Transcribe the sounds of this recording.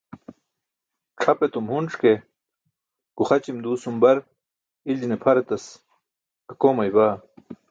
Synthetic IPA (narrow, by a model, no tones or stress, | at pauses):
ʈ͡ʂʰɐpet̪umhunʈ͡ʂke | kuxɐt͡ɕimd̪uːsumbɐɾ | ilinepʰɐɾet̪ɐs | ɐkoːmɐjbaː